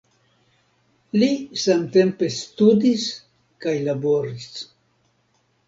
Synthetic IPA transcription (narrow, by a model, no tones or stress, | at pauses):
lisamte̞mpe̞studis | kajlaboɾis